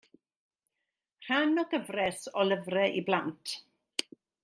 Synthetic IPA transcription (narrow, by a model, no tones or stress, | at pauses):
r̥anɔɡəvrɛsɔləvrɛʔiblantʰ